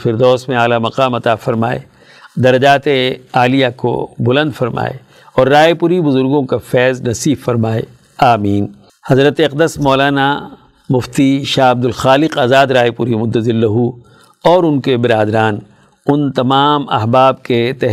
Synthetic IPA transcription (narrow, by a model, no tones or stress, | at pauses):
fɪɾd̪ɔːsmẽaːlamɐqaːmɐt̪afɐɾmaːḛ | d̪ɐɾɐd͡ʒaːt̪eaːlijako̰bʊlɐ̃nd̪fɐɾma̰ːḛ | ɔːɾːaːepʊɾibʊzʊɾɡõkafɛːznɐsiːbfɐɾmaːḛ | aːmiːn | hɐzɾət̪eɐq̚d̪əsmɔːlaːna | mʊft̪iʃaːɐb̚d̪ʊlxaːlɪqaːzaːd̪ɾaːepʊɾimʊd̪ːəzɪlːɐɦu | ɔːɾʊnkebɪɾaːd̪ɾaːn | ʊnt̪ɐmaːmɐ̰ɦbaːb̚ket̪ɛɦ